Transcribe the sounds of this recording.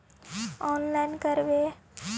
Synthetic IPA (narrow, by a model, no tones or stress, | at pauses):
ɔnlajnkəɾʋe